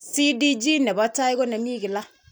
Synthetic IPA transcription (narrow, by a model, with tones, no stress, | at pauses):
si˦di˦d͡ʒi˦nɛ˨bɔ˦ta˦ɪ˦ɡo˦na˨mi˦ɡi˨la˦